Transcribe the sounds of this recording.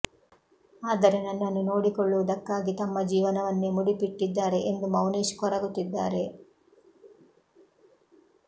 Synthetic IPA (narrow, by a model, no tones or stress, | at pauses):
aːd̪ɐɾenːɐnːɐnːuno̞ːɽikɔɭːuʋud̪ɐkːaːɡit̪ɐmːɐd͡ʒiːʋɐnɐʋɐnːemuɽipiʈːid̪ːaːɾe̞ʔend̪umɐwniːʃkɔɾɐɡut̪ːid̪ːaːɾe̞